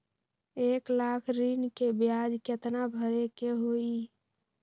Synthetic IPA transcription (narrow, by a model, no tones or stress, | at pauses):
eklakʰɾinkebjad͡ʒket̪nabʱəɾekeɦoi